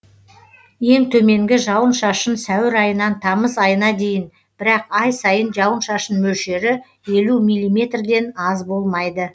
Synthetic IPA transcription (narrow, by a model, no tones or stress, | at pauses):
je̞ŋt̪ʰɵme̞ŋɡʲɪʒɑwənʃɑʃənsæwɪɾɑjənɑnt̪ʰɑməsɑjənɑd̪e̞jɪn | b̥ɪɾɑqɑjsɑjənʒɑwənʃɑʃənmɵlʃe̞ɾɪ | je̞lumijlʲˠːimʲe̞t̪rd̪e̞nɑzbo̞lˠmɑjd̪ə